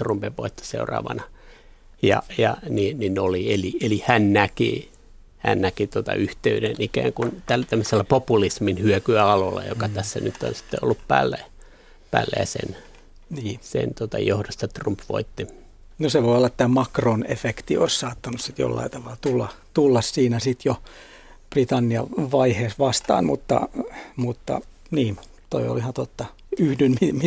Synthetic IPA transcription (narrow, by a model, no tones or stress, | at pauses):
t̪rumpeʋʋoit̪ːɑ̥sḛurɑ̰ːʋɑ̰nɑ | jɑ̰jɑniːnninolielielihænnækḭ | hæ̰nnækit̪uot̪ɑ̰yht̪eydenikæ̰ːŋkunt̪ælt̪æmːøselːæpopulisminhyøkyæɑlolːɑ̰jo̰kɑt̪æsːænyt̪ːo̰nsi̥t̪ːeolːuppæːlːæ | pæːlːæ̰jæsḛn | niːsḛnt̪ot̪ɑjohdost̪ɑt̪rumpʋo̰it̪ːi | noseʋoiolːɑt̪t̪æːmɑkronḛfekt̪io̰issɑːt̪ːɑnussit̪jo̰lːɑ̰it̪ɑʋɑlt̪ulːɑt̪ulːɑssiːnæsit̪jo | prit̪ɑnːiɑ̰ʋɑiheːsʋɑst̪ɑ̰ːnmut̪ːɑ̰mut̪ːɑ̰ | niː | t̪o̰io̰lihɑt̪ot̪ːɑ | yhdynmimi